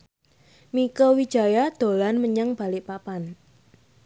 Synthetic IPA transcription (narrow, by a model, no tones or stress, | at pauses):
mikɔwid̥ʒ̥a̤jad̪̥o̤lanməɲaŋb̥a̤lɪʔpapan